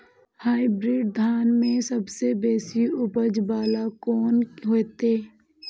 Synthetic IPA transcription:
haːibɾɪːɖ̚d̪ʱaːnmẽsɐbsebeːsiʊpəd͡ʒbaːlakɔːnɦoːt̪eː

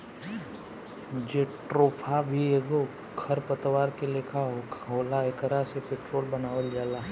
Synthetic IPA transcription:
ʊd͡ʒeʈɾoːpʰabʱieːɡo | kʰɐɾpət̪ʋaːɾkelekʰaɦɦoːlaekəɾasepeːʈɾoːlbɐnaːʋəld͡ʒaːlaː

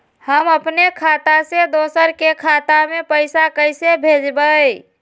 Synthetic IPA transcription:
həməpnekʰat̪ased̪osəɾkekʰat̪amepəɪsakəjsebʱed͡ʒbəj

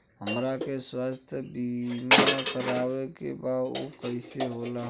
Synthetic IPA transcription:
ɦəmɾakeswast̪ʰjəbimaekəɾabekḛbado̰kəɪseɦolaɦ

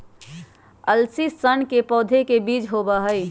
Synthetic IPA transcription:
əlsisənkepɔːd̪ʱekebiːt͡ʃɦoːbaɦəi

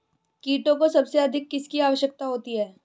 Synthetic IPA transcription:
kiːʈõkosɐbseɐd̪ʱɪkːɪskiaːʋəʃjək̚t̪aɦoːt̪iɦɛː

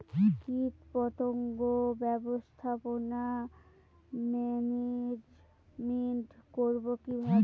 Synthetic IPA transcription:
kit̪pɔt̪oŋɡobɛbost̪ʰapona | mɛned͡ʑ | miʈkoɾbokibʱab

